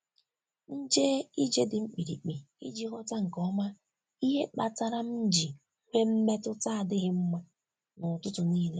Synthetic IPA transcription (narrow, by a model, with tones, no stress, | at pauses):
n̩˦d͡ʒe˦i˦d͡ʒe˦dɪ˨ŋ͡m̩˦k͡pi˨ɾḭ˨k͡pi˨ | ḭ˦d͡ʒi˦ɦɔ˦ta˦ŋ̩˨kɔ˦ma˦ | i˦ɦe˦k͡pa˨ta˦ɾa˦m̩˦d͡ʒi˨ | kʷe˦m̩˦me˦tʊ˦ta˦a˨dɪ˦ɣɪ˦m̩˦ma˦ | nʊ˨tʊ˦tʊ˨niː˦le˦